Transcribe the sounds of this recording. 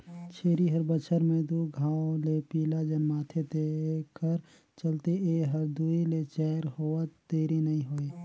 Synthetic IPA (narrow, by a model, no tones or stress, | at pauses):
t͡ʃʰeːɾiɦəɾbət͡ʃʰəɾmẽd̪uːɡʱãːolepiːlad͡ʒənmaːt̪ʰet̪ekəɾ | t͡ʃəlt̪eeɦəɾd̪uːilet͡ʃɛːɾhoːət̪eːɾinəĩɦoːi